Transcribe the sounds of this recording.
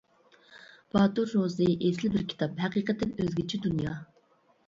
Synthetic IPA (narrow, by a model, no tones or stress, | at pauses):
b̥ɑt̪uɾːozɨʔeslɪbɪɾkʲʰi̥t̪ʰɑphɛqiːqət̪ʰːɛnøzɡʲit͡ʃʰid̪unjɑ̰ː